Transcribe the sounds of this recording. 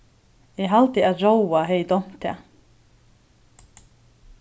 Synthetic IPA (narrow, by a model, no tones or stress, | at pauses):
ɛɦalt̪ɪaðrowaɦeːjt̪ɔm̥t̪ʰːɛ̰